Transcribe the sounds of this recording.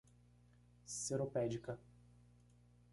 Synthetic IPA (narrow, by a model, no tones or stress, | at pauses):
seɾopɛd͡ʒikɐ